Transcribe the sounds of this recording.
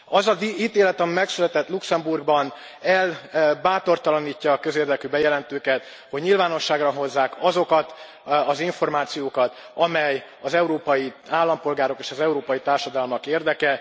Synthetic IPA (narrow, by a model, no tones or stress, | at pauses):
ɒzɒziːt̪eːlɛt̪ɒmimɛksylɛt̪ɛt̪luksɛmburɡbɒn | ɛlbaːt̪o̞rt̪ɒlɒniːcːɒːkø̞zeːrd̪ɛkyːbɛjɛlɛnt̪øːkɛt̪ | ho̞ɟɲilvaːno̞ʃːaːɡrɒɦo̞zːaːkɒzo̞kɒt̪ | ɒziɱfo̞rmaːt̪sijoːkɒt̪ | ɒmɛj | ɒzɛuɾoːpɒjiaːlːɒmpo̞lɡaːɾo̞keːʃɒzɛuɾoːpɒjit̪aːrʃɒd̪ɒlmɒkeːrd̪ɛkɛ